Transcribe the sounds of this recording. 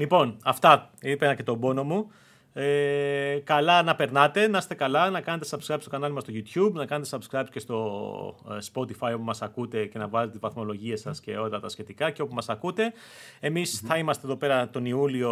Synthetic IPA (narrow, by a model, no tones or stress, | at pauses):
lipo̞nɐft̪ɐipenɐce̞t̪o̞bo̞no̞mu | e | kɐlɐnɐpe̞ɾnɐt̪e̞nɐst̪e̞kɐlɐnɐkɐne̞t̪e̞sɐbskɾɐpst̪okɐnɐlmɐst̪oʝut̪çubnɐkɐne̞t̪esɐbskɾɐpsce̞st̪o̞ | spo̞t̪ifɐjopumɐsɐkut̪e̞ce̞nɐvɐlet̪t̪izvɐθmo̞lo̞ʝie̞sɐsce̞o̞lɐt̪ɐsçe̞t̪ikɐceo̞p̬umɐsɐkut̪e̞ | e̞misθɐimɐst̪eðo̞pe̞ɾɐt̪o̞niulio̞